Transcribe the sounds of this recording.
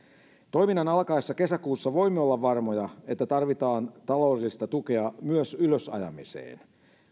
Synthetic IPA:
t̪o̞jminːɑnɑlkɑesːɑke̞sækuːsːɑʋo̞jmːeo̞lːɑʋːɑrmo̞jɑe̞t̪ːæt̪ɑrʋit̪ɑːnt̪ɑlo̞ːdelːist̪ɑt̪uk̟e̞ɑmyøsyløsɑ̰jɑ̰misḛːn

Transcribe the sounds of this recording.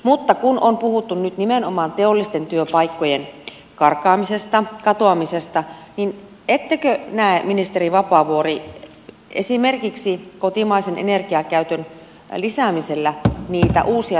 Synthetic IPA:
mut̪ːɑkunompuhut̪ːunnyt̪nimenomɑːnt̪eolːist̪ent̪yøpɑikːojen | kɑrkɑːmisest̪ɑkɑt̪oɑmisest̪ɑnin | et̪ːekønæˑeminist̪eriʋɑpɑːˑʋuori | esimerkiksikot̪imɑisenʔḛnerkiɑkæyt̪øn | lisæˑmiselːæniːt̪æ̰ʔuːsiɑ

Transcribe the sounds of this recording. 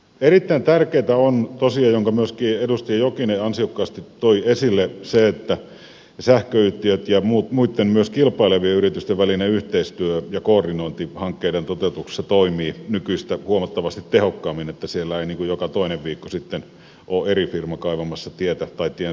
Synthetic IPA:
erit̪ːæint̪ærkeːt̪æont̪osiɑjoŋkɑmyøskiːedust̪iɑjokineɑnsiokːɑːst̪it̪ːoiesilːeseet̪ːæ | sæhkøyt̪ːiøt̪jɑmuːt̪muit̪ːemmyøskilpˑɑˑileʋieyrit̪yst̪eʋʋælineyht̪eist̪yøjɑkoːrdinoˑint̪ihɑŋkːeˑident̪ot̪eut̪uksi̥st̪ɑt̪oˑimˑiːnykyist̪æhuomɑt̪ːɑʋɑst̪it̪tehokːɑːmːinet̪ːæsielːæeˑiniːŋkujjokɑt̪oˑineʋʋiːkːosit̪ːen | ʔoːerifirmɑkɑˑiʋɑmɑsːɑt̪iet̪æt̪ɑit̪ie

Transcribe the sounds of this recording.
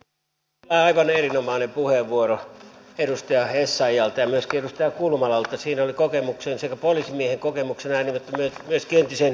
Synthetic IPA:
æɑiʋɑnerinomɑˑːnempuheʋʋuoroeɾust̪ɑjɑhesːɑijɑlt̪ɑjɑmyøskiedust̪ɑjɑkulmɑlɑlt̪ːɑsiːnolikokemuksensekæpolisimieheŋkokemuksenæinimot̪ːæmyøtmyøskient̪isen

